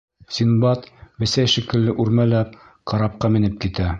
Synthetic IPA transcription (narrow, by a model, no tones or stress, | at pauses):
sinbɑt̪bɘ̆sæjʃĭkɘ̆lːɘʔʉɾmælæp | qʰɑɾɑp̚qɑmɘ̆nɘp̚kit̪æ